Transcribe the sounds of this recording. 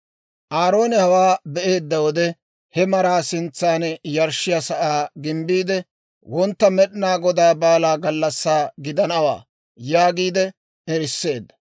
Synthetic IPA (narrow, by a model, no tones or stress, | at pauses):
ʔaːɾo̞ːnɛhɐwaːbɛʔe̞ːd̪ːɐwɔd̪ɛ | hɛmɐɾaːsɪnt͡sːaːnjɐɾʃːɪjasɐʔaːɡɪmbiːd̪ɛ | wɔnt̪ːɐmɛɗɪnaːɡɔd̪aːbaːlaːɡɐlːɐsːaːɡɪd̪ɐnɐwa̰ː | jaːɡiːd̪ɛ | ɛɾɪsːe̞ːd̪ːɐ̥